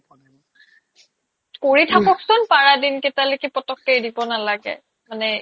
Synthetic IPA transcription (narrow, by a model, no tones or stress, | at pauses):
koɹitʰakɔksʊnpaɹadinketalekipɔtɔkːejdibɔnalaɡɛ̰ | manɛ